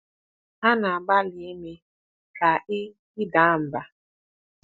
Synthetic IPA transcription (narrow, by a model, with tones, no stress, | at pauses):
ha˦na˨a˨ɡ͡ba˦lɪ˨e˦me˦ | ka˨ʔɪ˦ | ɪ˦da˨˦˨m̩˨ba˨